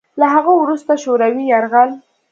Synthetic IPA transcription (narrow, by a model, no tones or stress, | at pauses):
laɦaɣawɾust̪aʃoɾawijaɾɣal